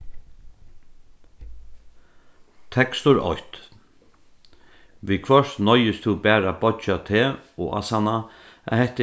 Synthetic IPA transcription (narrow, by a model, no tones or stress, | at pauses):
t̪ʰɛkst̪ʊɾɔ̰ht̪ | ʋiːkʰvœʂt̪nɔjɪst̪ʰubæːɾabɔt͡ʃat̪ʰeːɔ̰a̰sana | a̰hɛht̪ɪ